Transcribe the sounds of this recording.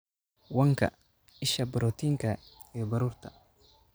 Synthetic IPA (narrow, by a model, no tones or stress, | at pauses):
wɐŋkʰɐ̰ | ɪʃɐbɪɾɔːt̪ʰiŋkʰɐɛbɐɾuːrt̪ʰɐ̥